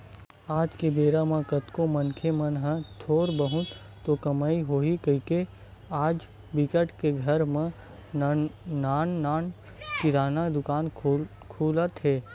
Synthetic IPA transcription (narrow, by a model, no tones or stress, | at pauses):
aːd͡ʒkebeːɾamãkət̪kõmɐnkʰemɐnɦə̃t̪ʰoːɾbəɦʊ̃t̪ | t̪okɐmaːiɦoːikəike | aːd͡ʒ | bɪkəʈkeɡʱɐɾmẽ | naːnːaːn | kɪɾaːnad̪ʊkaːn | kʰuːlət̪ɦɛː